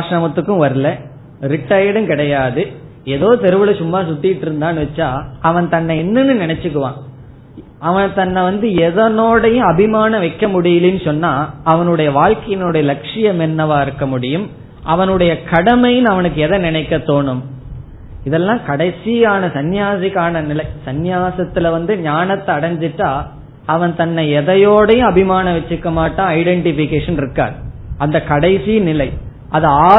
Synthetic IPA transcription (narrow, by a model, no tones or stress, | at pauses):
aːʂɾɐmɐt̪ːɯkːɯ̃ʋɐɾɯlɐ | ɾɪʈːɐjɐɽɯmkɪɽɐjaːðɯ | ɛðoːt̪ɛɾɯʋɯlɐsʊmːaːsʊt̪ːɪjɪʈːɪɾɯnd̪aːnɯʋɐt͡ʃːaːɐʋɐnt̪ɐnːɐɛnːɯnːɯnɪnɐt͡ʃːɯkːɯʋãː | ɐʋɐnt̪ɐnːɐʋɐnd̪ɯɛðɐnoːɽɐjʊ̃ɐbɪmaːnɐ̃ʋɐɪkːɐmʊɽɪjɪlɪnːɯsɔnːaːɐʋɐnɯɽɐjɐʋaːɻkɐjɪnɯɽɐjɐlɐkʂɪjɐmɛnːɐʋaːɪɾɯkːɐmʊɽɪjɯm | ʔɐʋɐnɯɽɐjɐkɐɽɐmɐjɯnɐʋɐnɯk̬ːɯɛðɐnɪnɐɪkːɐt̪ːoːɳɯm | ɪðɛlːãːkɐɽɐɪsijaːnɐsɐnjaːsɪkaːnɐnɪlɐɪsɐnjaːsɐt̪ːɪlɐʋɐnd̪ɯɲaːnɐt̪ːɐɐɽɐɲd͡ʒɪʈːaː | ɐʋɐnt̪ɐnːɐɪɛðɐjoːɽɐjɯ̃ɐbɪmaːnɐʋɛt͡ʃːɯkːɐmaːʈːãːɐɪɖɛɳʈɪfɪkːeːʂɐnɪɾɯkːa̰ːɾɐnd̪ɐkɐɽɐɪsinɪlɐɪ | ʔɐðɯaː